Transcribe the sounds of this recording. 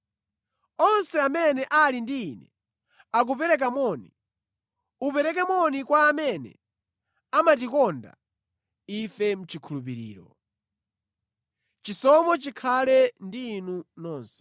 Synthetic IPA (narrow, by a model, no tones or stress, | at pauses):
ɔnsɛamɛnɛʔalindiːnɛ̰ | ak̬upɛɾɛk̬amɔnḭ | upɛɾɛk̬ɛmwɔnikwaːmɛnɛ̰ | amatikɔnda̰ | ifɛm̩t͡ʃikʰulup̬iɾḭːɾɔ | t͡ʃisɔmɔt͡ʃikʰalɛndinunɔːnsɛ̥